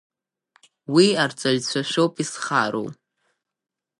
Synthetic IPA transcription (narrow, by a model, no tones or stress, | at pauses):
wiart͡sʷʼaʒt͡ɕʷʰaʃʷᶣowpʼisχaɾo̰w